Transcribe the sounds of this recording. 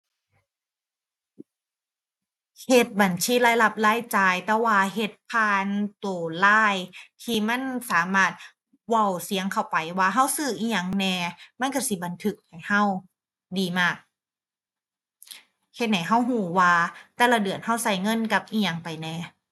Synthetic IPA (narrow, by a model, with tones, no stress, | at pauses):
he˧t̪̚ba˨˩nsiː˧˥˨laː˧˥˨jla˧˩p̚laː˧˥˨jt͡ɕaː˧jt̪ɛː˧waː˧ɦe˧˩t̪̚pʰaː˧˩nt̪oː˨˩laː˧˥˩jt̪ʰiː˧˩ma˧˥˨nsaː˨˦maː˧˩t̪̚ | wa˧˩˨wsi˨˦əŋkʰa˧˩wpa˨˩jwaː˧ɦa˧˥˨wsɯː˧˩ʔiː˧˩ɲa˧˩ŋnɛː˧ma˧˥˨nka˧˥˩si˧˦˩ba˨nt̪ʰɯ˧k̚ha˨˩jha˧˥˩w | diː˨˩maː˧˩k̚ | he˧˦t̪̚na˨˩jɦa˧˥˩wɦuː˧˩waː˧t̪ɛː˧la˧dɯ˨˩ənha˧˥˩wsa˧˩jŋɤ˧˥˨nka˧p̚ʔiː˧˩ɲa˧˩ŋpa˨˩jnɛː˧˩